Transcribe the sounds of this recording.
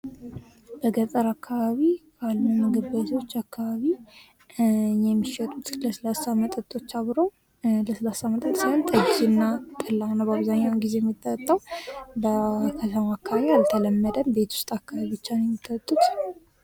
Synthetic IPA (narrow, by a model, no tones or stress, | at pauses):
b̥əɡət̪ʼəɾakːaβaβikalːuməɡɨbət̪ʰowot͡ʃːakʰːaβaβi | jɛmːiʃɛt̪ʼut̪ləsəlasamət̪ʼət̪ʼo̞t͡ʃːaβɾəw | ləsəlasamət̪ʼət̪ʼsiont̪ʼəd͡ʒd͡ʒɨnːat̪ʼəlːanːawbaβzaɲːawnɡize̞jɛmːit̪ʼːət̪ʼːəwbəkʰət̪ʰəmaːkʰːaβaβialt̪ʰələmːəd̪əmbe̞t̪ʰwʊ̥st̪ʼakʰːaβaβibɨt͡ʃːanjɛmːit̪ʼːət̪ʼːut̪